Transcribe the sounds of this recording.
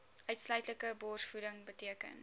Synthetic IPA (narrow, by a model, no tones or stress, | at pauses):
ʔœɥtslœɥtləkəbɔːrsfudəŋbətiəkə̰n